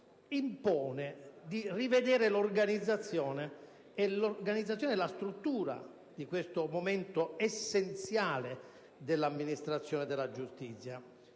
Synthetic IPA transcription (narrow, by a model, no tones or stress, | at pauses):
impɔːned̪irived̪ɛːɾelorɡanid̪zːat̪sːjɔːneː | lorɡanid̪zat̪sjɔneɛlast̪ɾut̪ːuːɾa̰ | d̪ikwest̪omoment̪oɛsːent̪sjaːle | d̪elːamːinist̪ɾat̪sːjɔːnɛd̪ɛlːad͡ʒust̪it̪sːja